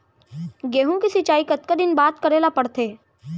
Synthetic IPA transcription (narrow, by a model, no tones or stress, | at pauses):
ɡeːɦũkisit͡ʃaːikɐt̪kad̪ɪnbaːt̪kɐɾeːlapɐɽt̪ʰeː